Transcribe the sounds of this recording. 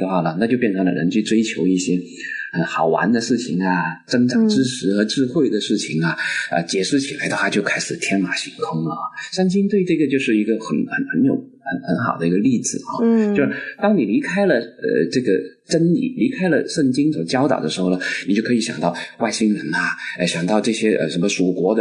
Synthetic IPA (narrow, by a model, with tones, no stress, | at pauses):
d̪ə˧xwa˥˩lə˩nʰa˥˩t͡ɕjo˥˧ʊpjɛ˥˩nʈ͡ʂʰɤ˧˥ŋlə̰˧ɻə˧˥nt͡ɕʰy˥˩ʈ͡ʂwe˥ɪt͡ɕʰjo˧˥ʊi˥˩ɕjɛ˥ | xə˧˥nxɑ˨˩ʊwa̰˧˥nd̪ə˧ʂɻ̩˥˩t͡ɕʰi˨˩ŋɐ˩t͡sɤ˥ŋʈ͡ʂɑ˥˨˩ŋʈ͡ʂɻ̩˥ʂɻ̩˧˥xɤ˧˥ʈ͡ʂɻ̩˥˧xwe˥˩ɪd̪ə˩ʂɻ̩˥˩t͡ɕʰi˨˩ŋɐ˩ə̰˧t͡ɕjɛ˨˩ʂɻ̩˥˩t͡ɕʰi˨˩la˧˥ɪd̪ə˧xwa˥˩t͡ɕjo˥˧ʊkʰa˥ɪʂɻ̩˨˩t̪ʰjɛ˥nma˨˩ɕi˧˥ŋkʰʊ˥ŋlə̰˨˥˩ʂa˥˧nt͡ɕi˥nt̪we˥˧ɪʈ͡ʂɤ˥˩ɡə˩t͡ɕjo˥˧ʊʂɻ̩˥˩i˧˥ɡə˧xə˨˩nxə̰˨˩˦nxə˧˥njo˨˩ʊ | xə˧˥nxə˧˥nxɑ˨˩ʊd̪ə˦i˧˥ɡə˧li˥˩t͡sɹ̩˨˩ɐ̰˥˧t͡ɕo˥˧ʊʂt̪ɑ˥ŋni˨˩li˧˥kʰa˥ɪlə˨ə̰˧ʈ͡ʂɤ˥˩ɡə˩ | ʈ͡ʂə˥nlḭ˨˩˦li˧˥kʰa˥ɪlə˨ʂə˥˩ŋt͡ɕi˥ŋswɔ˨˩t͡ɕjɑ˥ʊt̪ɑ̰˨˩ʊd̪ə˦ʂɻ̩˧˥xo˥˩ʊə˩ni˨˩t͡ɕjo˥˩ʊkʰɤ˧˥i˧˥ɕjɑ˨˩ŋt̪ɑ˥˩ʊwa˥˩ɪɕi˥ŋɻə˧˥nɐ˧ə˧˩ɕjɑ˨˩ŋt̪ɑ˥˧ʊʈ͡ʂɤ˥˩ɕjɛ˥ʔə̰˧ʂə˧˥nmə˧ʂu˨˩kwɔ˧˥d̪ə